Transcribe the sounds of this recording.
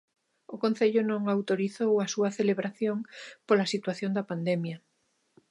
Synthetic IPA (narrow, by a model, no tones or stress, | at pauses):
okõn̟θeʎʊnõŋawt̪oɾiθowasuɐθeleβɾaθjõŋpolasit̪waθjõnd̪ɐpand̪emjɐ